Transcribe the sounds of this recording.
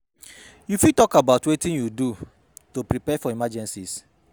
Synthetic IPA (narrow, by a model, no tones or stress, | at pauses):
jufitɔkabaʊtwetĩnjudu | topɾipɛfɔimad͡ʒɛ̃nsis